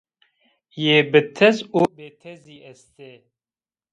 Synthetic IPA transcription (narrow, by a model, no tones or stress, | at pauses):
jeːbɨt̪ʰɛzoːbeːt̪ʰɐziːɛst̪e